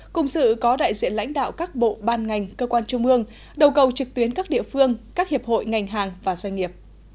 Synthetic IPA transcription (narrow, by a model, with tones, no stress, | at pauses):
kʊ̰˧˨˩ŋ͡msɨ̰˧˨kɔ˨˦ɗa̰ː˧˨jzḭ˧˨ənla̰˧˥jŋ̟ɗa̰ː˧˨wkaː˦˥k̚ɓo̰˧˨ɓaː˧nŋa˨˩jŋ̟kəː˧kwaː˧nt͡ɕʊ˧ŋ͡mʔɨ˧əŋ | ɗə˨˩wkə˨˩wt͡ɕɨ˨˩k̚t̪wi˨˦ənkaː˦˥k̚ɗḭ˧˨əfɨ˧əŋkaː˦˥k̚hi˨˩əp̚ho̰˧˨jŋa˨˩jŋ̟ɦaː˨˩ŋvaː˨˩zwɛ˧ŋ̟ŋi˨˩əp̚